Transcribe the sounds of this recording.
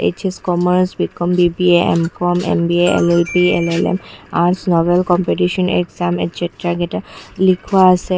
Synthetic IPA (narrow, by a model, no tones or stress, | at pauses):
ḛt͡ʃeskɔməɾsbiʈ̚kɔmbibieḛmkɔmḛmbieḛlelpielelḛmaɾsnɔbelkɔmpeʈiʃɔnḛɡzamḛtseʈɾaɡeʈalikʰuaːse